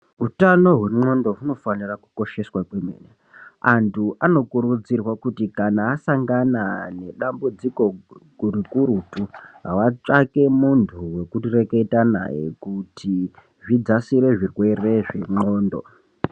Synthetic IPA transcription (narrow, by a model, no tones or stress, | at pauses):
utano̞ɦwe̞mo̞ndo̞ɦuno̞faniraku̥ko̞ʃe̞swakwemḛːne | antʰuʔano̞kuɾud͡zirwakutikanaːsaŋɡanane̞ɗambud͡ziko̞kurikuɾutuɦa̰wat͡ʂake̞muntʰuwe̞kutire̞ke̞itana̰jḛkutʰi | ʐid͡zasiɾe̞ʐirwe̞re̞ʐe̞mo̞ːndo̞̰